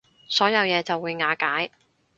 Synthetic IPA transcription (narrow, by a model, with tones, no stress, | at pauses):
sɔː˨˥jɐ˨˧wjɛː˨˧t͡sɐ˨wːuː˨˧jŋaː˨˧kaː˨˥j